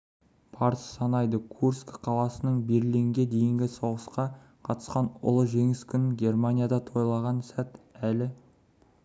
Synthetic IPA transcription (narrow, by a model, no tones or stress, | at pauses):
pʰɑɾssɑnɑjd̪əkʰurskqʰɑlˠɑsənəɴbe̞ɾleŋɡʲe̞d̪e̞jɪŋɡʲɪso̞ʁəsqɑ | qʰɑt̪ə̥sqɑnʊ̰lˠəʒe̞ŋɪskʲʏnɡʲe̞rmanʲijad̪ɑt̪ʰo̞jlˠɑʁɑnsæt̪ælɪ